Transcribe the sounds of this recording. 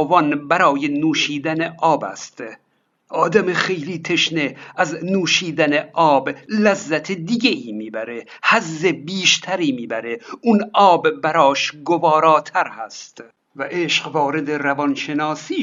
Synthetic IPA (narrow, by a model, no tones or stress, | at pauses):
vɒnbæɾɒːjenuːʃiːd̪æneʔɒːbæ̰st̪ | ʔɒːd̪æmexejliːt̪ʰe̞ʃneæznuːʃiːd̪æneʔɒːblæzːæt̪ʰed̪iɡeʔiːmiːbæɾe̞hæzːebiːʃt̪ʰæɾiːmiːbæɾeunɒːbːæɾɒːʃɡovɒːɾɒːt̪ʰæɾhæst̪ | væʔeːʃqvɒːɾe̞d̪eɾævɒnʃe̞nɒːsiː